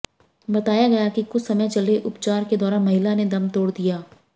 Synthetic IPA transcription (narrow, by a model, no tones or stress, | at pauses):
bɐt̪aːjaɡɐjakikʊt͡ʃʰsɐməjt͡ʃɐleʔʊpt͡ʃaːɾked̪ɔːɾaːmɐɦɪlaned̪ɐmt̪oːɽd̪ijaː